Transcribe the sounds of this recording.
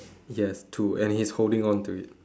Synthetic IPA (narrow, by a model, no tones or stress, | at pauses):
jɛstʰuɛ̃nhisholdɪ̃ŋɔ̃ntuɪt̚